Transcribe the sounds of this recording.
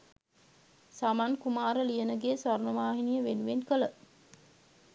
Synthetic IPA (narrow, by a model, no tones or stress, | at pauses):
samankumaːɾəlijənəɡeːsʋaɾnəʋaːɦinijəʋenuʋenkələ